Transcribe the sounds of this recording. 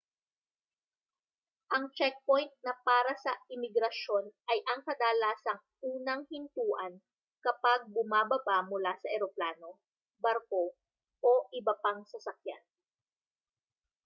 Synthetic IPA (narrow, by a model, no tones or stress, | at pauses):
ʔɐŋt͡ʃɛk̚po̞jnt̪̚nɐpaːɾɐsɐɪmɪɡɾɐʃo̞nʔɐjʔɐŋkɐd̪aːlaːsɐŋ | ʔuːnɐŋhɪnt̪uːʔɐn | kɐpaɡ̚bʊmaːbɐbamʊlasɐʔɛɾoplaːno̞ | bɐɾko̞ | ʔoʔɪbɐpaŋsɐsɐkja̰n